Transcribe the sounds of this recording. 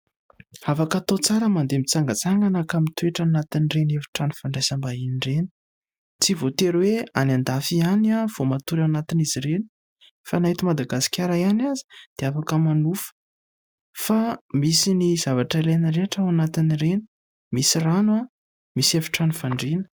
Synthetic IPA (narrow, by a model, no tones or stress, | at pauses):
afakat̪ot͡saɾəmand̪emit͡saŋɡat͡saŋɡanakamit̪ueʈ͡ʂanat̪inirenefi̥ʈ͡ʂanifaɳɖ͡ʐazambainireni̥ | t͡sivot̪eɾwea̰nand̪afianav̥omat̪uɾanat̪iniziɾeni̥ | fanaɦit̪umad̪aɡasi̥kʲaɾajanazi̥d̪̥eafakəmanufə̥ | famisinizavaʈ͡ʂalenəɾeʈ͡ʂaanat̪inireni̥ | misiranwa | misefi̥ʈ͡ʂanifaɳɖ͡ʐenə̥